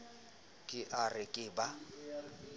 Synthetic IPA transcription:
kʼɪʔarɪkʼɪba

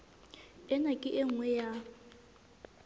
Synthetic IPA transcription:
ɛnakʼɪʔeŋ̩wɛja

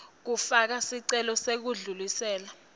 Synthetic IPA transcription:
k̬ufak̬asiǀɛlɔsek̬uɮulisɛːla

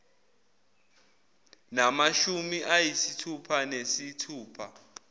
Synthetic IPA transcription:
namaʃumiʔajisitʰupʰanesitʰuːpʰa̰

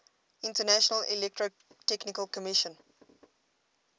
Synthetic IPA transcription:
ĩntənæʃənəlilɛk̚tɹo | tɛknɪkəlkɔmɪʃə̃n

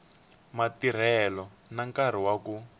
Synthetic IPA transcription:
matiɾ̤ɛlɔ | naŋkaɾ̤iwaku

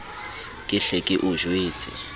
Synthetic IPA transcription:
kʼɪɬɛkʼɪʔʊʒweːt͡sʰʼɪ̰

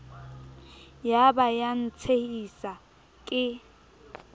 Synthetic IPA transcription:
jabajan̩t͡sʰehisa | kʼɪ

